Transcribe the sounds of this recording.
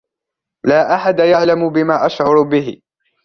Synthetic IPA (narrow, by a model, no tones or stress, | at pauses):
laːʔaħad̪ajaʕlamʊbɪmaːʔaʃʕʊɾbɪɦɪ̰